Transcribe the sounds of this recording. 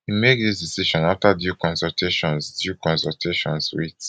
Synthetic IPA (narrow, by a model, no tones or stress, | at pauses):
himek̚disdisiʃɔ̃naftadjukɔ̃nsɔltʰeʃɔ̃nsdjukɔ̃nsɔltʰeʃɔ̃nswit